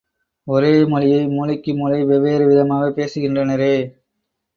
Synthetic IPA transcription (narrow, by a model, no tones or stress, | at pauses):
ɔɾeːmɔlɪjɐɪmuːlɐkːɯmuːlɐɪʋɛʋeːɾɯʋɪðɐmaːʋɐpeːsɯɣɪndrɐnɐɾɯː